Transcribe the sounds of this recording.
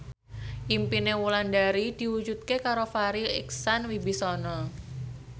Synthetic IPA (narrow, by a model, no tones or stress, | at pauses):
ʔimpinewulandaɾid̪̥i̤wu̥d͡ʒut̪̚kekaɾofaɾiɪ̰ksanwibisɔnɔ